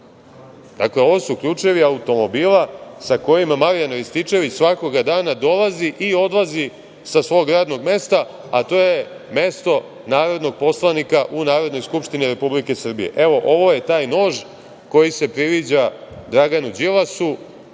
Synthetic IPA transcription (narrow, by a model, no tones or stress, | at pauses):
d̪̥akle̞o̞ʋo̞sukʎuːt͡ʂe̞ʋiaut̪o̞mo̞biːlˠasako̞jimamaɾijanʋist̪it͡ʃe̞ʋit͡ɕsʋako̞ɡad̪aːnad̪o̞laziʔio̞d̪lˠazi | sasʋo̞ːɡɾaːd̪no̞ɡme̞st̪a | at̪o̞ːje̞ | me̞st̪o̞ | naːɾo̞d̪no̞ɡ̚po̞slˠanikaʔunaːɾo̞d̪no̞jskupʃt̪iniɾe̞publike̞sr̩bije̞̰ʔe̞ʋo̞ʔo̞ʋo̞je̞t̪aːjno̞ːʒ | ko̞jise̞pɾiʋid͡ʑad̪ɾaɡanud͡ʑilˠasu